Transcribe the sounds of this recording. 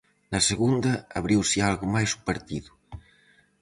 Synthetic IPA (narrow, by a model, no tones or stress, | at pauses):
nɐseɣund̪ɐːβɾiwsialɣumajsu̥pɐɾt̪iðu